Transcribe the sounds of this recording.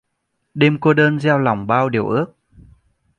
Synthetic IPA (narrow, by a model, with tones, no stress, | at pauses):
ɗe˧mko˧ɗəː˧nzɛ˧wla˨˩wŋ͡mɓaː˧wɗi˨˩əwʔɨ˦˥ək̚